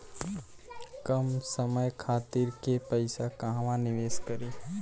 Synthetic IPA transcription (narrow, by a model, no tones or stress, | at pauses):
kəmsəməjkʰaːt̪iɾkepəɪsakãɦãʋãnɪʋeːskəɾiː